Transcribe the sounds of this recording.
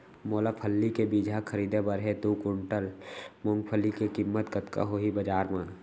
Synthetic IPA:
moːlapʰəlːikebiːd͡ʒʱakʰəɾiːd̪ebəɾɦet̪uːkʊɳʈəlmõŋɡpʰəlikekimːət̪kət̪ka̰ɦoːɦibəd͡ʒaːɾmã

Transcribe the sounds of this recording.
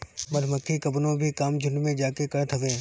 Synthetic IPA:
mɐd̪ʱmɐkʰikɐbnõbʱikaːmd͡ʒʱʊɳɖmẽd͡ʒaːkekɐɽt̪ʰɐʋẽː

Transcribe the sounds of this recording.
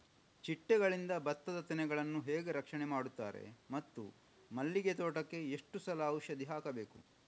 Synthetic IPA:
t͡ʃiʈːɛɡɐɭind̪ɐbɐt̪ːɐd̪ɐt̪inɛɡɐɭɐnːuɦeːɡe̞ɾɐkʂɐɳɛmaːɽut̪ːa̰ːɾḛmɐt̪ːṵ | mɐlːiɡet̪oːʈɐkːe̞eʂʈusɐlɐːwʃɐd̪iɦaːkɐbe̞ːkṵ

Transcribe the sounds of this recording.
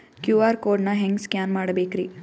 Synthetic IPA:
kjuːaːɾkoːɾɖnɐɦeŋɡskjaːnmaːɽɐbeːkɾi

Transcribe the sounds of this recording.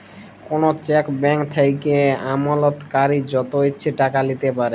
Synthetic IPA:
konot͡ɕɛkbɛŋkt̪ʰajkeamalot̪kaɾid͡ʑɔt̪oeːt͡ɕʰeʈakalit̪epaɾe

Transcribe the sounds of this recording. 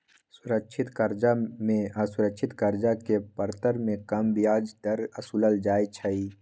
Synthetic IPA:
sʊɾəkʃʰɪt̪kəɾd͡ʒamẽasʊɾəkʃʰɪt̪kəɾd͡ʒakepəɾt̪əɾmẽkəmbijaːd͡ʒd̪əɾəsuləld͡ʒaːit͡ʃʰəi

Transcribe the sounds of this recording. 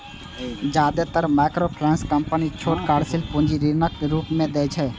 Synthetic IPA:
d͡ʒaːd̪et̪əɾmaːkɾopʰɾɛ̃ːnskə̃mpənit͡ʃʰoːʈkaːɽsɪlpũːnd͡ʒiɾiɾnəkːeɾuːpmẽd̪eːt͡ʃʰɛː

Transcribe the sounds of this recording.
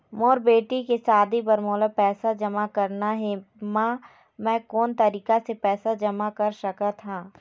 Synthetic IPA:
moːɾbeːʈikesaːd̪ibɐɾmoːləpɛːsad͡ʒɐmakɐɾnaɦɛmãː | mɛ̃ːkɔːnt̪ɐɾiːkasepɛːsad͡ʒɐmakɐɾʃɐkat̪ʰãː

